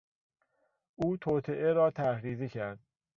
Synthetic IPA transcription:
ʔuːt̪ʰoːt̪ʰeʔeɾɒːt̪ʰæɾɾiːzicʰæɾd̪̥̚

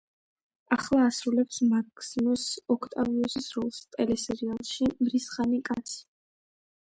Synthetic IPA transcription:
aχlˠaːsɾulɛpsmakʰsimɔsɔkʰt̪ʼaviusisɾɔlˠst̪ʼɛlɛsɛɾialˠʃimɾisχanikʼat̪sʰi̥

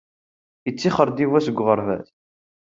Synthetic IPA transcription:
jət͡sːiχəɾd̪ivæsəɡʷːʁəɾˤvæ̰θ

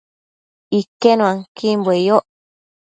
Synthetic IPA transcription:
ikːenũaŋkimbwejoʔ

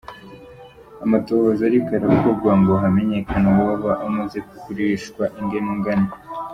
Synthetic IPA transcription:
amato̞hozaɾikaɾakobɡwaŋɡo̞ɦame̞ɲe̞kʰanawaβaβaʔamuze̞ku̥kuɾeʃkwaʔiŋɡemiŋɡana

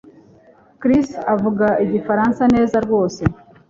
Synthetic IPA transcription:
kɾisavuɡaʔiɟifaɾansane̞ːzaɾɡo̞ːse̞

